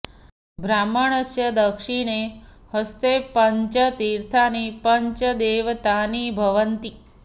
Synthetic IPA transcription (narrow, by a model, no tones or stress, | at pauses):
bʱɾaməɳəsjəd̪əkʂiɳ̃e | həst̪epəɲt͡ʃət̪iɾt̪ʰanipəɲt͡ʃəd̪eʋt̪anibʱəʋənt̪i